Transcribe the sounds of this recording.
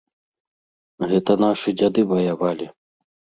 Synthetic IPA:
ɣɛt̪ɐnaʂɨd͡zʲad̪ɨvɐjavalʲi

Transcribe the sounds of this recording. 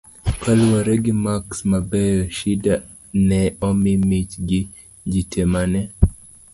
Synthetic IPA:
kalwaɾɛɡimaksmabɛjɔʃida | nɛɔmimit͡ʃɡɪ | d͡ʒitɛmanɛ

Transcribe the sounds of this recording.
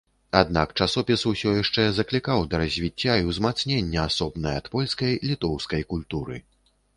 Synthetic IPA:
ad̪̚nakt͡ʂasɔpʲisusʲɔjaʂt͡ʂɛzɐklʲikawd̪ɐɾɐzʲvʲit͡sʲːaiwzmat̪snʲenʲːɐasɔbnɐjɐɐt̪pɔlʲskɐjlʲit̪ɔwskɐjkulʲt̪uɾɨ

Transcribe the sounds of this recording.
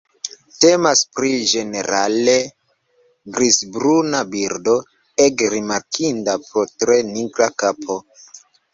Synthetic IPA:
te̞maspɾid͡ʒe̞ne̞ɾale | ɡɾisbɾunabiɾdo̞ | ekɾimaɾkʰindapɾotɾe̞niɡɾakapʰo̞

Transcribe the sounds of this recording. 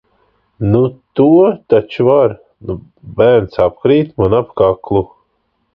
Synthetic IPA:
nut̪uɔt̪at͡ʃuvaɾ | nu | bæːɾnsapkɾiːt̪manapkaklˠu

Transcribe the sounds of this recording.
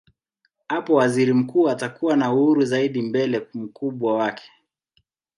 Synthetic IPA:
hapɔwaziɾim̩kuːatakuwanauhuɾuzaiɗimbɛlɛm̩kuɓwawakʰɛ̥

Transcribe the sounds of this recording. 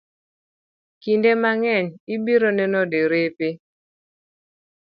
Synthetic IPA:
kindemaŋɛɲibiɾonɛnɔdeɾepe

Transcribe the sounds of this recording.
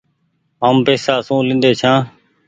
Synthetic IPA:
ɦaːmpeːsaːsũːlɪ̃nd̪eːt͡ʃʰãː

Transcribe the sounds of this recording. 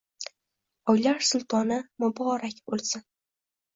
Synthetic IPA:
ɒjlaɾsʊlˠt̪ʰɒnɪmʊbɒɾakʲbolˠsɪn

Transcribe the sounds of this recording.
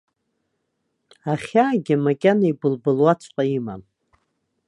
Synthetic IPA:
aχʲaːɡʲɪmakʲʼanaibɨlbɨlwat͡ʃʷʰʼqʼaima̰m

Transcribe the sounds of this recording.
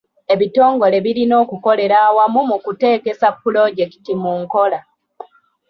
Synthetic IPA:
e̞βito̞ːŋɡo̞le̞βiɾino̞ːkuko̞le̞ɾaːwamumukute̞ːke̞sapːulo̞ɟe̞ki̥timuŋko̞la

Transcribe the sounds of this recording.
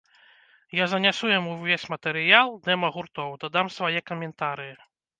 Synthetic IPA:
jazɐnʲasujamuvʲesʲmɐt̪ɛɾɨjalˠd̪ɛmɐɣurt̪ɔwd̪ɐd̪amsvajɛkɐmʲɛnt̪aɾɨji

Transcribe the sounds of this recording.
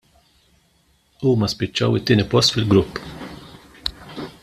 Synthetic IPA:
uːmɐspɪt͡ʃːɐwɪt̪ːɪːnipɔst̪fɪlɡɾʊpː

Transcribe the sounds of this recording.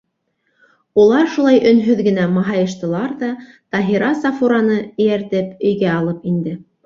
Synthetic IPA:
ulˠɑɾʃulˠɑjʔɵ̆nɦɵðɡɘ̆næmɑɦɑjɤ̆ʃt̪ɤ̆lˠɑɾðɑ | t̪ɑɦiɾɑsɑfuɾɑnɤɘ̆jæɾt̪ɘpɵ̆jɡæɑlˠɤpind̪ɘ

